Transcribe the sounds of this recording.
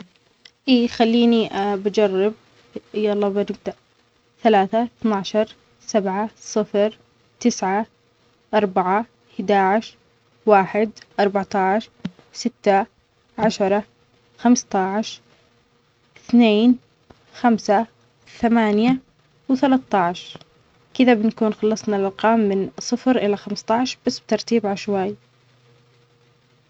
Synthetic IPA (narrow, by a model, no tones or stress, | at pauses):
ʔiːxalːiːniʔabad͡ʒɑrˤːɪb̚ | ɪjːɑlˤːɑːbanɪbd̪aʔ | θalaːθaθnaʕʃɑɾˤ | sabʕasˤɨfɾ | t̪ɪsʕa | ʔɑɾˤbaʕa | hɪd̪aːʕɪʃ | waːħɪd̪ʔɑɾˤbaʕt̪ɑʕʃ | sɪt̪ːa | ʕaʃɑɾˤɑ | xamst̪ɑʕʃ | ɪθneːn | xamsa | θamaːnja | wɪθalat̪ːɑʕʃ | kɪðabɪnakuːnxɑlːɑsˤnɑlʔɑlqɑːmːɪnsˤɨfɾʔɪlaxamst̪ˤɑʕʃb̥asːbɪt̪ɑɾˤt̪iːbʕaʃwaj